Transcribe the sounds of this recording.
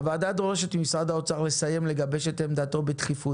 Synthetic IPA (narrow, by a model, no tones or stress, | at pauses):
vaːd̪ad̪leʃet̪misʁad̪aot͡saʁle̞saje̞mle̞ɡabe̞ʃet̪emd̪aːt̪o̞bet̪χifu